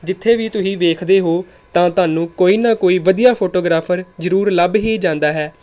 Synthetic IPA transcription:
d͡ʒɪt̪ʰːeːʋiːt̪ʊsĩːʋeːkʰd̪eːɦoː | t̪ãːt̪ʊaːnũːkoːiːnãːkoːiːʋəd̪ijaːpʰoːʈoːɡɾaːpʰəɾzəɾuːɾləbɦiːd͡ʒãːnd̪aːɦɛː

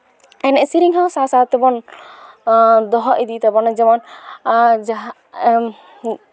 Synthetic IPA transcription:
ɛnɛʔsiɾiŋɦɔwsasat̪ɛbɔn | d̪ɔɦɔʔid̪it̪abɔnɛd͡ʒɛmɔn | d͡ʒaɦ

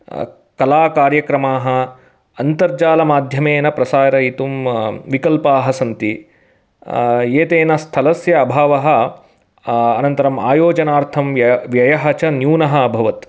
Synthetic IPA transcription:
kɐlaːkaːɾjɐkɾɐmaːɦɐ̆ | ɐnt̪ɐɾd͡ʒaːlɐmaːd̪ʱjɐmeːnɐpɾɐsaːɾɐit̪umʋikɐlpaːɦɐsɐnt̪i | eːt̪eːnɐst̪ʰɐlɐsjɐːbʱaːʋɐɦɐ̆ | ɐnɐnt̪ɐɾɐma̰ːjoːd͡ʒɐnaːɾt̪ʰɐmʋjɐjɐɦɐt͡ʃɐnjuːnɐɦɐɐbʱɐʋɐt̪

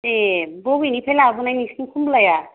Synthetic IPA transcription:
eboɡinipʰelaːbunajnisnikʰumblaja

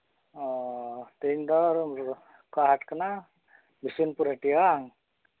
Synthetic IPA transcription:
ɔt̪eɲd̪ɔɾ | kaɦatkana | bisinpuɾaʈijaŋ

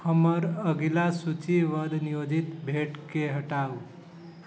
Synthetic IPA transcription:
həməɾəɡilasut͡ʃiʋəd̪ʱnijod͡ʒit̪bʱeʈkeɦəʈau

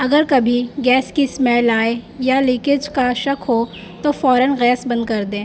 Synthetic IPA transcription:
ɐɡəɾkɐbʱiɡɛːskismɛːlaːejalɪːkɪd͡ʒkaʃɐkɦo | t̪ofɔːɾənɣɛːsbɐ̃nd̪kɐɾd̪ẽː

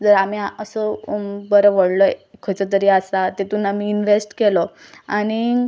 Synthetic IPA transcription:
d͡zəɾamiaəsəbəɾəʋəɽlɔkʰət͡sət̪̬əɾiːasat̪et̪uːnamiːnʋesʈkelɔ | aɽ̃i

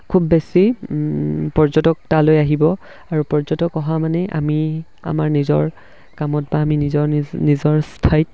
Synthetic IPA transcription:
kʰubːesi | pɔɹzɔtɔk̚talojaɦibɔ | aɹupɔɹzɔtɔkɔɦamanɛʔa̰mi | a̰maɹnizɔɹ | kamɔt̚baːminizɔnizɔɹstʰajt̚

